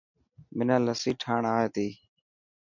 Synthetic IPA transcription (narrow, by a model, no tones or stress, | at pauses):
mɪnãːləsiːʈʰaːɳaːeːt̪iː